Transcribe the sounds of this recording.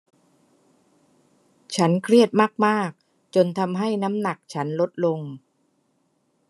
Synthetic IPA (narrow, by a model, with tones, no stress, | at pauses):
t͡ɕʰa˦˥nkʰɾi˥˩ət̪̚maː˥˩k̚maː˥˩k̚ | t͡ɕo˧nt̪ʰa˧mɦa˥˩jna˦˥mna˨˩k̚t͡ɕʰa˦˥nlo˦˥t̪̚lo˧ŋ